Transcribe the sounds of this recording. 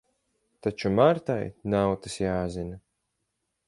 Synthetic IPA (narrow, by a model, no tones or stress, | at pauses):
t̪at͡ʃumaɾt̪ajnawt̪ɨsjaːzina